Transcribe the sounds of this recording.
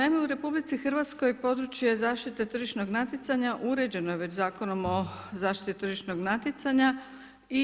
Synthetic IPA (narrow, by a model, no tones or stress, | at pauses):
najmeuɾe̞publit̪sixrʋat̪sko̞jpo̞d̪ɾut͡ɕje̞zaːʃt̪it̪et̪r̩ʒiʃno̞ɡnat̪it̪saɲaʔuɾe̞d͡ʑe̞nojeʋe̞t͡ɕzaːkono̞mo̞zaːʃt̪i̥t̪it̪ɾrʒiʃno̞ɡnat̪it̪saɲa | i